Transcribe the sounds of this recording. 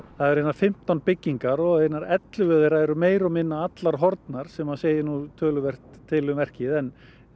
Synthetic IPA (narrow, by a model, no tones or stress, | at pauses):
θaðɛɾejnafɪm̥t̪awnpɪcːiŋkaɾɔɣeːjnaɾɛt̪lʏvœːðɪɾaɛɾʏmeːjɾɔmɪnːaat̪laɾ̥ɦɔɾt̪naɾ̥sɛmaðseːjɪnut̪ʰœːlʏvɛr̥t̪ʰːɪlʏmɛr̥cɪðɛn